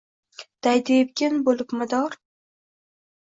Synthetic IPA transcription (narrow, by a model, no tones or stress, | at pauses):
d̪̥ajd̪epkʲɪnbolɪpmʊd̪ɒɾ